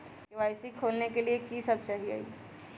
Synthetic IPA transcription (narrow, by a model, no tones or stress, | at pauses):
ɪʋaːɪsikʰoːlnekeliekisɐb̚t͡ʃaɦia̰ːḭː